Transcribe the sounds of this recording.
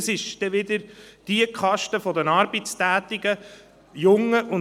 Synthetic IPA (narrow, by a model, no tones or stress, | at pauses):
sɪʃd̥ɛʋɪd̪əɾd̥iəkχɑʃtəfɔdənɑɾb̥it͡stæːt̪iɡə | jʊŋːəʔʊn